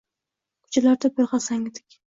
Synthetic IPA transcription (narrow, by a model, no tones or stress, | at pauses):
kʰʊ̥t͡ʃʰalaɾd̪ɪpojʁɑsaŋɪd̪ɪ̥kʲ